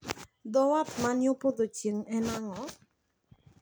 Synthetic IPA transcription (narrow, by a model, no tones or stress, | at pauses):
d̪ɔwat̪manjopod̪ot͡ʃeŋɛnaŋɔ